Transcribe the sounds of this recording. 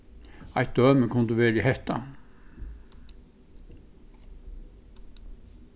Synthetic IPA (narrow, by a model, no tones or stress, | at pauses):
ɑɪt̪̚d̪œːməkʰʊnd̪ʉʋeːɾihɛht̪a̰